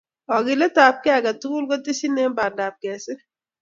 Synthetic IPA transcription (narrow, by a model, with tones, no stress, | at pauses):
ɔ˨ɡɪ˨lɛ˦ta˨p̚kɛ˦a˨ka˨tu˦ku˦lkɔ˦ti˦si˦ne˦mba˨da˨p̚kɛ˨sɪ˦